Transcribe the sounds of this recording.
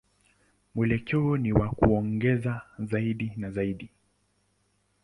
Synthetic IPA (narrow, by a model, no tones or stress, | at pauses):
mwɛlɛkɛɔniwakṵɔŋɡɛzazaiɗinazaiɗi